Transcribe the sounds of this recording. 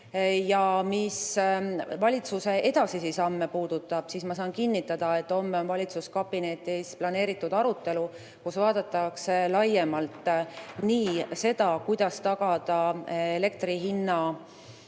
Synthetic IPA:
jɑmis | vɑlʲit̪suse̞ʔe̞d̪̥ɑsisisɑmːepuːd̪ut̪ːˑɑb̥sismɑsɑːnkinːit̪ːˑɑd̪̥ɑe̞t̪ːˑo̞mːeonvɑlʲit̪suskɑb̥ine̞t̪ˑisplɑne̞ːɾit̪ˑːud̪̥ɑɾut̪ːˑe̞lu | kusvɑːd̪̥ɑt̪ːˑɑkselɑjːe̞mɑlt̪ˑːniːse̞d̪̥ɑkujd̪̥ɑst̪ɑɡ̥ɑd̪̥ɑele̞k̚t̪riɦinːɑ

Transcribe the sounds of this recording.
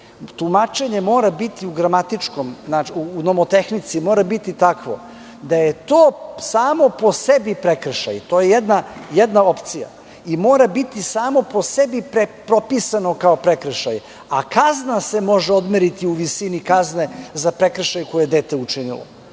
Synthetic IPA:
t̪umat͡ʃe̞ɲe̞mo̞ːɾabit̪iuɡɾamat̪it͡ʂko̞mnaiunomot̪e̞xnit̪simo̞ːɾabit̪it̪akʋo̞̰ | d̪aje̞t̪oːsaːmo̞po̞sebipɾekɾʃa̰jt̪ojejed̪najed̪nao̞pt̪sija̰ | imoːɾabit̪isaːmo̞po̞sebipɾepɾo̞pisano̞kaopɾekɾəʃaje | akaznase̞mo̞ʒeo̞d̪meɾit̪iuʋisinikazne̞zapɾe̞kɾəʃajuko̞jejed̪e̞ːt̪e̞ut͡ʂinḭlˠo̰

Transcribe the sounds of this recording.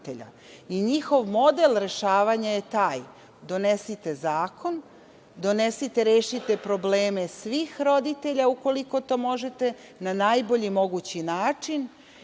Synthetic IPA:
t̪eʎa̰ | iɲixo̞ʋmo̞d̪elˠɾe̞ʃaːʋaɲaje̞t̪aːj | d̪o̞nesit̪e̞zaːkʰo̞n | d̪o̞nesit̪eɾeːʃit̪e̞pɾo̞bleːme̞sʋiːxɾo̞d̪it̪e̞ʎauko̞liko̞t̪o̞ːmo̞ʒet̪e̞ | nanaːjbo̞ʎimo̞ɡut͡ɕinaːt͡ʂin

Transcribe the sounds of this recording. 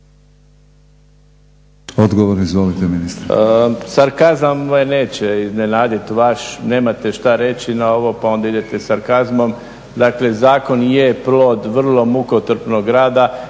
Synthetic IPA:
od̪ɡoʋoɾnizʋolit̪eminist̪ɾsaɾkazamojene̞ːt͡ɕeizne̞naːd̪it̪ʋaʃne̞ːmat̪e̞ʃt̪aɾe̞t͡ɕinao̞ʋo̞pao̞nd̪aid̪e̞t̪e̞saɾkazmo̞m | d̪akle̞zaːko̞njeplo̞ːd̪ʋr̩lˠo̞mukot̪r̩pno̞ɡɾaːd̪a

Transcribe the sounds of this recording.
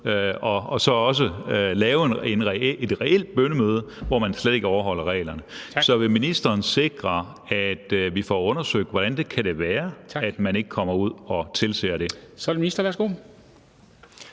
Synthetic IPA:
øɒ̽ɒ̽sɒ̽ɒ̽s̬əlɛːʊenenʁɛed̥ʁɛel̰d̥̚b̥ønəmøːð̞ˠəʋɒmænsleðˠe̝ɡ̥əɒʊɐɦɒ̽l̰ɐʁɛ̰ːɪlɐnəsɒ̽ʋe̝minisd̥ɐːnse̝ɡ̥ʁɐ | æd̥ʋifɒ̰ɔ̽nɐsøɡ̥̚d̥ʋɒɾ̥ænd̥e̝kʰæɾ̥e̝ʋæːɐæd̥mæne̝ɡ̥əkʰɒ̽m̰ɐuð̞̰ˠɒ̽t͡sʰe̝lsḛːɐɾ̥e̝sɒɾeminisd̥ɐʋæɐsɡ̥o̝̰ː

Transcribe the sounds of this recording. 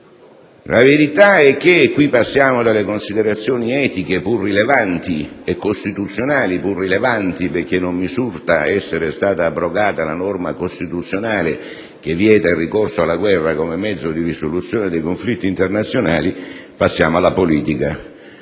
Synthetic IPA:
lʔaveɾit̪aɛkːekːwipːasːjaːmod̪alːekonsid̪eɾat̪sːjoːniɛːt̪ikepurːilevant̪iekːost̪it̪ut̪sːjonaːlipurːilevant̪iperk̟ːenːommisurt̪aɛsːeɾest̪aːt̪aːbːɾoɡaːt̪alanɔrmakost̪it̪ut̪sːjonaːle | k̟evːjɛːt̪airːikorsoalːaɡwɛrːakomemːɛd̪zːod̪iɾisolut̪sːjoːned̪ejkoɱflit̪ːiːnt̪ernat̪sːjonaːlipasːjaːmoalːapoliːt̪ika

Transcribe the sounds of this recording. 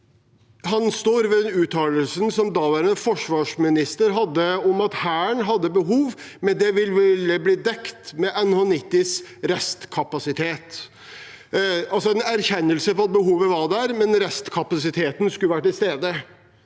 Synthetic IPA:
hɑnst̪oːɾʋɛd̪ɛnʉːt̪ʰɑːləlsənsɔmd̪ɑːʋæːɾɛfɔʂʋɑːʂmɪnɪst̪əɾɦɑd̪ːəɔmɑt̪hæːɳɦɑd̪ːəbəɦuːʋmɛnd̪ɛʋɪlːʋɪləbliːd̪ɛkt̪mɛʔɛnhoːnɪt̪ːɪsɾɛst̪kʰɑpɑsɪt̪ʰeːt̪ | ɑlsɔɛnæɾçɛnːəlsəfɔɑt̪̚bəɦuːʋəʋɑɾd̪æɾmɛnɾɛst̪kʰɑpɑsɪt̪ʰeːt̪n̩skʉləʋæʈɪlst̪eːd̪ə

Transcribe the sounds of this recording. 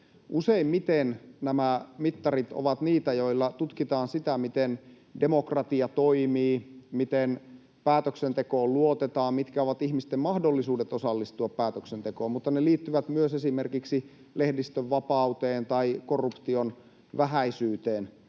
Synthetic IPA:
ʔuseimmit̪ennæmæmit̪ːɑrit̪o̰ʋɑt̪niːt̪æjoilːɑt̪ut̪kit̪ɑːnsit̪æmit̪en | demokrɑt̪iɑt̪oimiːmit̪en | pæːt̪øksent̪ekoːlluot̪et̪ɑːmmit̪kæoʋɑt̪ihmist̪emmɑhdolːisuːdet̪osɑlːist̪uɑppæːt̪øksent̪ekoːmut̪ːɑneliːt̪ːyʋæt̪myøsesimerkiksi | lehdist̪øʋʋɑpɑut̪eːnt̪ɑikorːupt̪ion | ʋæɦæisyːt̪eːn

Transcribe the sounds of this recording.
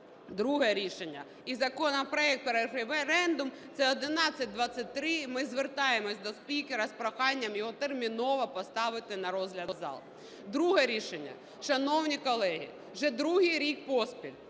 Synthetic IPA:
d̪ɾuɦɛɾʲiʃenʲːɐ | izɐkɔnɐpɾɔɛk̚t̪̚peɾefefeɾɛnd̪ʊm | t̪sɛɔd̪ɪnɑt͡sʲːɐt̚ʲd̪ʋɑt͡sʲːɐt̚ʲt̪ɾɪmɪzʋert̪ɑjemɔsʲd̪ɔspʲikeɾɐspɾɔxɑnʲːɐmjɔɦɔt̪ermʲinɔʋɐpɔst̪ɑʋɪt̪ɪnɐɾɔzɦlʲɐd̪zɑ̰lˠ | d̪ɾuɦɛɾʲiʃenʲːɐ̰ | ʃɐnɔwnʲikɔlˠɛɦḭ | ʒɛd̪ɾuɦɪjɾʲik̚pɔspʲilʲ

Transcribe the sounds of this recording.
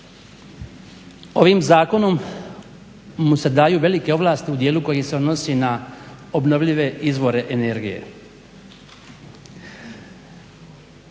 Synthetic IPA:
o̞ʋimzaːko̞no̞m | use̞d̪aːjuːʋe̞like̞o̞ʋlˠaːst̪iud̪jeːluko̞jise̞od̪no̞sinao̞bno̞ʋʎiʋe̞izʋo̞ɾe̞ʔene̞ɾɡije̞̰

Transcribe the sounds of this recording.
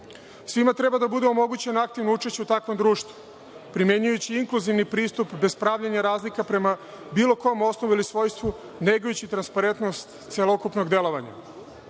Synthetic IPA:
sʋimat̪ɾe̞bad̪abud̪eomo̞ɡut͡ɕenak̚t̪ivnout͡ʃe̞ʃt͡ɕeut̪akʋo̞md̪ɾuːʃt̪ʋu | pɾime̞ɲujut͡ɕiiŋkluziʋnipɾiːst̪upbe̞spɾaʋʎaɲaɾaːzlikapɾe̞ma | biːlˠo̞ko̞mo̞snoʋuilisʋo̞ːjst̪ʋu | neɡojut͡ɕit̪ɾanspaɾe̞nt̪no̞st̪ | t̪selo̞kupno̞ɡd̪e̞lo̞ʋaɲa̰

